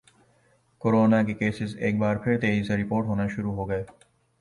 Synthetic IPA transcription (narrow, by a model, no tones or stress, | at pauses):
koːɾoːnakekeːsɪzeːk̚baːɾpʰɪɾt̪eːiseɾɪpoːɾʈɦoːnaʃʊɾuɦoːɡɐeː